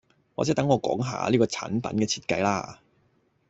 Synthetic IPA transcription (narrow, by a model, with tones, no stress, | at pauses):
waː˨˩t͡sɛ˨˥t̪ɐ˨˥ŋɔː˨˧kɔː˨˥ŋɦa̰ː˧liː˥kɔː˧t͡sʰa̰ː˨˥npɐ̰˨˥nkɛː˧t͡sʰiː˧t̚kɐ˧jlaː˥